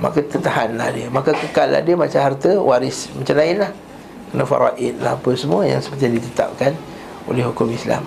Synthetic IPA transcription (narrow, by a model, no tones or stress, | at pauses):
ma̰kat̪ət̪ahanla̰hdiəmakakəkalːa̰hdiəmat͡ʃaɦart̪əwaɾɪsmat͡ʃamlaɪnlah | kənafa̰ɾa̰ʔɪt̪̚la̰hapəsəmuəja̰ŋsəpərt̪ijãdit̪ət̪a̰p̚kan | o̰lɛhukʊmisla̰m